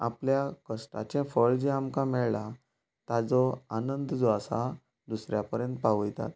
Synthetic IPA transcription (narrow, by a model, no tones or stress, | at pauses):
a̰pljakəsʈa̰t͡ɕɛ̃fəɭd͡ʑẽamkamɛɭɭa | t̪ad͡zɔanənd̪d͡zɔasa | d̪usɾjapəɾjə̃nt̪̚paʋəjt̪a̰t̪̚